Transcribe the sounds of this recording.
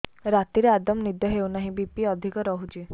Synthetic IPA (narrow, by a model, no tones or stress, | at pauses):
ɾat̪iɾead̪ɔmnid̪jɔɦewnaɦĩbipiɔd̪ʱikɔɾɔɦut͡ʃi